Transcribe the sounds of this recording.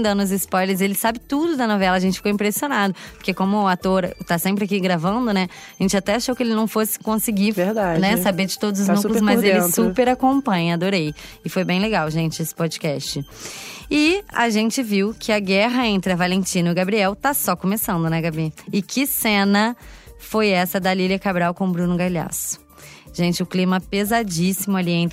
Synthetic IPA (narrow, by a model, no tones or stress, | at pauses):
d̪ɐnʊzɪspɔjleɾzelɪsabɪt̪ud̪ʊd̪ɐnɔvɛlɐʒẽnt͡ʃɪ̥fikõĩmpɾesionad̪ʊppʊɾkekõmʊːat̪oɾt̪asẽmpɾɪakiɡɾavɐ̃nd̪ʊnɛaʒẽnt͡ʃɪat̪ɛaʃowkɪelɪnɐ̃w̃fosɪ̥kõsɪɡiveɾd̪ad͡ʒnɛsabeɾd͡ʒɪ̥t̪od̪ʊzʊznuklʊszmɐzelɪ̃supeɾakõmpɐ̃ɲɐad̪oɾejɪfojbẽj̃leɡawʒẽnt͡ʃɪesɪ̥pod͡ʒɪkɛst͡ʃɪ | ɪa̰ʒẽnt͡ʃɪviwkʰɪɐɡɛɦɐẽnt̪ɾɪɐvalẽt͡ʃĩnʊɪɡabɾiɛwt̪asɔkõmesɐ̃nd̪ʊnɛɡabiɪkʰɪsẽnɐfojɛsɐd̪ɐliliɐkabɾawkõw̃bɾũnʊɡajʎa̰sʊ̥ | ʒ̥ẽnt͡ʃɪʊklĩmɐpezad͡ʒisimʊaliẽt̪